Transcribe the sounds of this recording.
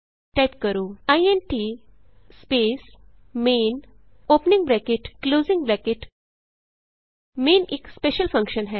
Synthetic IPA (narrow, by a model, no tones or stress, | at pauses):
ʈɛp̚kəɾoaienʈi | spes | men | opniŋɡbɾɛkeʈkloːziŋɡbɾɛkeʈ | meːnekspeɕəlfə̃ŋkɕənɦɛ